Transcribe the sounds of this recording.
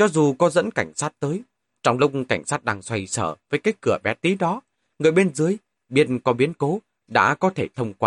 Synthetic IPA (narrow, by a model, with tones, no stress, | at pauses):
t͡ɕɔ˨˧zu˨˩kɔ˨˦zə̰˧˥nka˧˩jŋ̟saː˦˥t̚t̪əː˨˦j | t͡ɕɔ˧wŋ͡mlʊ˦˥k͡p̚ŋ͡mka˧˩jŋ̟saː˦˥t̚ɗaː˧ŋswa˧jsəː˧˩vəː˨˦jkaː˨˦jkɨ˧˩əɓɛ˨˩˥t̪i˨˦ɗɔ˨˦ | ŋɨ˨˩əjɓe˧nzɨ˨˦əj | ɓi˦˥ətnkɔ˨˦ɓi˨˦ənko˨˦ | ɗa̰ː˧˥kɔ˨˦t̪ʰe˧˩t̪ʰə˧wŋ͡mkwaː˧